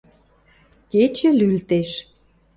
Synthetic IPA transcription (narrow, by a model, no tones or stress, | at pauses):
ket͡ɕə̆lylt̪eʃ